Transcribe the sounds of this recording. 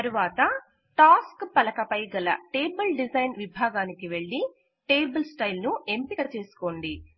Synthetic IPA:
t̪ɐɾuʋaːt̪ɐ | ʈaːskpɐlɐkɐpɐjɡɐlɐ̰ʈe̞ːbɐlɖid͡ʒɐjnʋibʱaːɡaːnikiʋe̞ɭːi | ʈe̞ːbɐlsʈɐjlnue̞mpiɡɐt͡ʃe̞ːsu̥ko̞ːɳɖi

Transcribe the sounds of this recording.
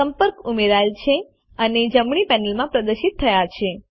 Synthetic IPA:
əmpəɾkumeɾajlt͡ʃʰe | əned͡ʒəmɳ̃ipɛnəlmãpɾəd̪əɾʃit̪ʰːəjat͡ʃʰe

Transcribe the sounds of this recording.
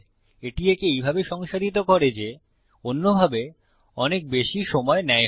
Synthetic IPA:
eʈiekeejbʱabeʃɔŋʃaɾit̪̬okɔɾed͡ʑe | onːobʱabe | ɔnek̚beʃiʃɔmɔenɛ

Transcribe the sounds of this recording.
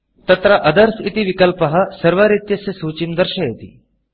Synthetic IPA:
t̪ɐt̪ɾɐʔɐd̪əɾsit̪iʋikɐlpɐɦɐsɐɾʋaɾit̪jɐsjɐsuːt͡ɕimd̪ɐɾɕɐjet̪ḭ

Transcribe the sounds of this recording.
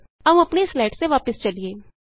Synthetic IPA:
ɐʋũɐpneslaːɪʈseʋaːpɪst͡ʃɐlieː

